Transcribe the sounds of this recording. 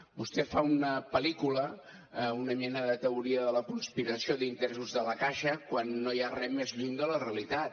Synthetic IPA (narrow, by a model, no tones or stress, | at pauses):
bust̪ɛfaunəpəlikulə | unəɲɛnəðət̪əuɾiəðələkunspiɾəsioðint̪ɾesuzðələkaʃəkwanːojarɛmezʎuŋd̪ələreəlit̪at̪̚